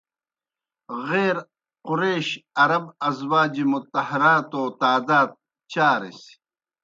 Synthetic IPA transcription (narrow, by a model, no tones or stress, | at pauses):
ɣeːɾ | qʊɾeːɕɐɾɐbɐzwaːd͡ʑimut̪ɐhɐɾaːt̪oːt̪aːd̪aːd̪̚ | t͡ɕaːɾḭsi̥